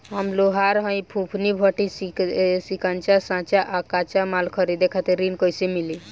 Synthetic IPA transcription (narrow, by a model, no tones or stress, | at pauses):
ɦəmloɦaɾɦə̃j̃pʰũpʰnibʱəʈisisikant͡ʃasãt͡ʃaʔakat͡ʃamalkʰəɾid̪ekʰat̪eɾinkɔjsimili